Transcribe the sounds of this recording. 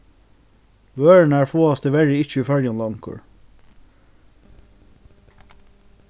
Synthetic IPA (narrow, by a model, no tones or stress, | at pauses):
ʋøːɹənəæːɹfoːɑst̪əʋɛɹɪɪt͡ʃəiːfœɹjɑnlɑŋkə̰ɹ